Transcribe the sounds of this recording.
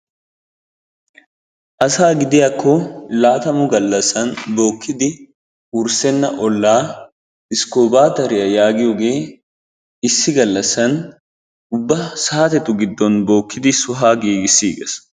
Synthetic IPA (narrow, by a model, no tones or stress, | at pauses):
ʔɐsaːɡɪd̪ɪjakʰːɔlaːt̪ɐmʊɡɐlːɐsɐnbo̞ːkːɪd̪ɪ | ʊɾsɛnːɐʔɔlːaː | ɪskoːbaːt̪ɐɾɪjɐjaːɡɪjoɡe̞ː | ɪsːɪɡɐlːɐsɐn | ʊbːɐsɐːɐt̪ɛt̪ʊɡɪd̪ːɔnbo̞ːkːɪd̪ɪsʊɦaːɡiːɡɪsːiːɡɛs